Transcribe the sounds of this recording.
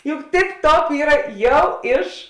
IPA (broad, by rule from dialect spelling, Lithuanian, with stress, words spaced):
jʊk tʲɪp ˈtoːp ˈiːrɐ ˈjɛʊ ˈɪʃ